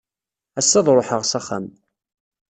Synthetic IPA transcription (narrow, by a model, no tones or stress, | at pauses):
æsːæðˤɾˤoħəʁsæχæ̰m